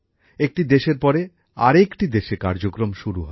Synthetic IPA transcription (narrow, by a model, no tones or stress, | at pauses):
ek̚ʈid̪eʃeɾpɔɾe | a̰ɾekʈid̪eʃekaɾd͡ʑokɾomʃuɾuɦɔ